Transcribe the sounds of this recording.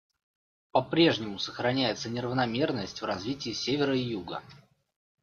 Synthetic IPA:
pɐpɾʲe̞ʐnʲɪmʊsəxɾɐnʲæjɪt̪sənʲɪɾəvnɐmʲe̞rnəsʲtʲvrɐzvʲitʲɪːsʲevʲɪɾəijuɡə̰

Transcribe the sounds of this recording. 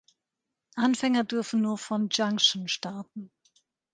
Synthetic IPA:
ʔanfɛŋɐdʏɐfn̩nuːɐfɔnd͡ʒaŋʃnʃtaɐtn̩

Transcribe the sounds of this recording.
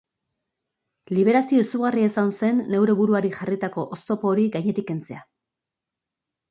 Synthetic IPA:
liβ̞e̞ɾasio̞isuɣariesanse̞nːe̞wɾe̞βuɾuaɾiʝarit̪ako̞ʔost̪o̞po̞ːɾiɡajɲe̞t̪ike̞nt͡se̞a

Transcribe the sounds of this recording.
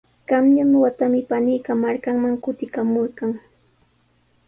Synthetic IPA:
ɢ̥ɑmɲanwat̪amɪpanijkamaɾkaŋmaŋkʊt̪ɪkamoɾɢɑŋ

